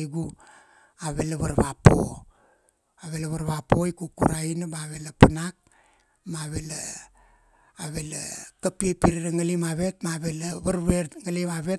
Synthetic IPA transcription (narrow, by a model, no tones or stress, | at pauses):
ɡu | aβe̞laβaɾβapo̰ | aβe̞laβaɾβapo̞jkukṵɾainabaβe̞lapanak̚ | maaβe̞la | aβe̞la̰kapiepiɾiɾaŋalimaβe̞t̚maaβe̞laβaɾβeŋalimaβe̞